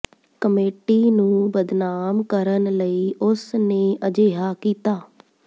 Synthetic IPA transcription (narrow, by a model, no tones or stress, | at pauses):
kəmeːʈiːnũːbəd̪naːmkəɾənləiːʊsneːʔəd͡ʒeːɦaːkiːt̪aː